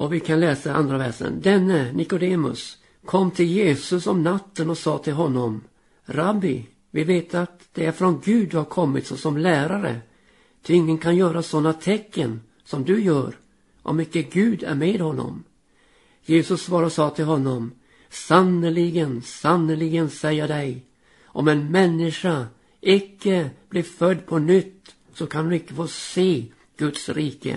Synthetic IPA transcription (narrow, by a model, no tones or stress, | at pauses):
ɔvɪkʰanlɛːsaa̰nd̪ɾavæʂə̰nd̪ɛnːənɪkʊd̪eːmɵ̰s | kʰɔmːt̪ʰɪljeːsɵsɔmnat̪ːənɔsɑːt̪ʰɪlɦɔnːɔm | ɾabːɪ | vɪveːt̪ʰat̪d̪̥ɛæɾfɾɔnɡʉ̟ːd̪ːɵhaɾkʰɔmːɪt̪sɔsɔmlæːɾaɾə̰ | t̪ʰɪɪŋːənkʰanjœːɾasɔnːat̪ʰɛkːən | sɔmd̪ɵjœːɾ | ʔɔ̰mɪkːəɡʉ̟ːd̪æ̰ɾmeːd̪hɔnːɔ̰m | jeːsɵsːvɑːɾɔsɑːt̪ʰɪlɦɔnːɔm | sanːəlɪɡənsanːəlɪɡənsɛjːad̪ɛj | ʔɔmɛnmɛnːɪʂa | ʔɪkːəb̥lɪɾfœd̪ːpʰɔnʏt̪ː | sɔkʰand̪ɵɪkːəfoːseː | ɡ̥ɵt̪sɾiːkə̰